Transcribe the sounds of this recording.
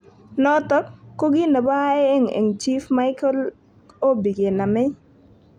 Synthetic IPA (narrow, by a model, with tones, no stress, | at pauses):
nɔ˦tɔ˦kːo˦ɡɪ˦na˨bɔ˦a˦e˦e˦ŋḛ˨ŋt͡ʃi˦fma˦ɪkɔ˦l | o˦bi˨ɡe˨na˨mɪ˦